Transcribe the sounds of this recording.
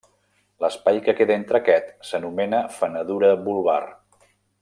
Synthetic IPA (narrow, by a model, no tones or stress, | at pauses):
ləspajkəkeðəent̪ɾəkɛt̪sənumɛnəfənəðuɾəbulˠβa̰r